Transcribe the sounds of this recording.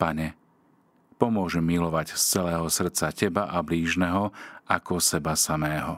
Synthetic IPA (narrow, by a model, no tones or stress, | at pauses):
paɲɛ | pɔmʊɔʒɛmːilɔʋacst͡sɛlɛːɦɔsr̩t͡sacɛbaʔabliːʒnɛɦɔakɔsɛbasamɛːɦɔ